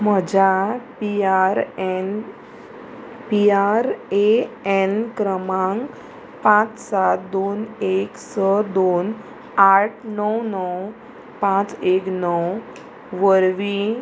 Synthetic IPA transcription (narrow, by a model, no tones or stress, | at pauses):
m̤əd͡ʑʱapiaɾn | piaɾeenkɾəmãŋɡ | pãt͡ssat̪̚d̪oneksəd̪on | aʈ̚ʰnəwnəw | pãt͡seknəw | ʋəɾʋi